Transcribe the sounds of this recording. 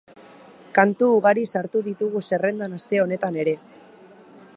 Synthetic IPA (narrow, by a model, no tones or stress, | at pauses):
kant̪uːɣaɾisaɾt̪uðit̪uɣuse̞re̞nd̪anast̪e̞o̞ne̞t̪ane̞ɾe̞